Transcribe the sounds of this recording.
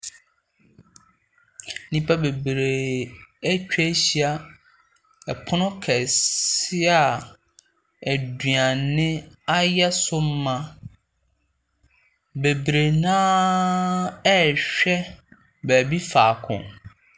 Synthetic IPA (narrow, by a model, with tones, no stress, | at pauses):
nĩ˦pʰa˦be˨bɾe˨æ˦t͡ɕᶣɛ˦ɕi˦a˦ | ɛ˨pʰʊ˦nʊ̃˦kʰɛ˨sɪ˦a˨ | æ˨dɥa˨nɪ̃˦a˦jɛ˦sʊ˦m̩˦mã˨ | be˨bɾe˨nãː˦ | ɛ˦˨ɕᶣɛ˦ | bɛ˨bi˦faː˨kʰʊ̰̃˨